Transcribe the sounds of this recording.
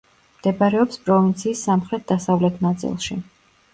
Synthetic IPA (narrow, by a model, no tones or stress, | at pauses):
md̪̥ɛbaɾɛɔpspʼɾɔvint̪sʰiːsːamχɾɛt̪̚d̪̥asavlɛt̪ʰnat̪sʼḭlˠʃi